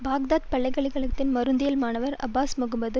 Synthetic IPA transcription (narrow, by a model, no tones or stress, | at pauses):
baːɡ̚d̪aːt̪̚pɐɭːɐɪɣɐɭɐɪɣɐɭɯt̪ːɪnmɐɾɯnd̪ɪjɐlmaːnɐʋɐɾɐ̰bːaːsmɐɣɯmbɐðɯ